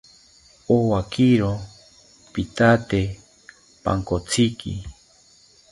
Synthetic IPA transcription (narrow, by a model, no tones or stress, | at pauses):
owakiɾo | pit̪at̪e | pa̰ŋkot͡sʰikḭ